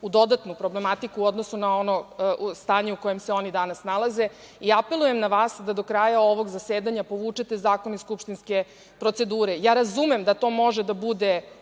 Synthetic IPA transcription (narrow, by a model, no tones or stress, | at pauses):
ud̪o̞d̪at̪nupɾo̞blemat̪ikuːo̞d̪nosunao̞nost̪aːɲeuko̞je̞mseo̞nid̪anasnalˠaze̞ | iape̞luje̞mnaʋaːsd̪ad̪o̞kɾajao̞ʋo̞ɡzaseːd̪aɲapo̞ʋuːt͡ʃet̪e̞zaːkoniskupʃt̪inske̞ | pɾo̞t̪se̞d̪uːɾe̞jaːɾazumemd̪at̪o̞ːmo̞ʒed̪abud̪e̞